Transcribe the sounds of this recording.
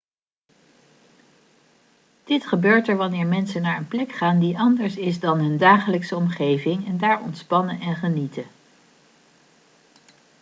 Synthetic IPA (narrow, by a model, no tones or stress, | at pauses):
d̥ɪtχəbøːɹtɛɹʋɑnɪːɹmɛnsənaːɹənplɛkχaːndiʔɑndəɹsɪzdɑnɦɵndaːχələksəɔmχejvɪŋɛndaːɹɔ̰ntspɑnəʔɛnχənitə